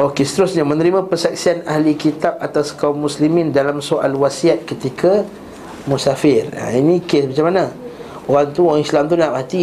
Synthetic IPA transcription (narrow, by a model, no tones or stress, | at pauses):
okesət̪əɾʊsɲamə̃nəɾimãpərsak̚sianahlikit̪ap̚at̪askaumːuslimɪ̃ndalamsoʔa̰lwasiat̪̚kət̪ikʰa | musafɪra̰inĩkesmat͡ʃamanã | oɾaŋt̪uoɣaŋislamt̪unaʔpat̪i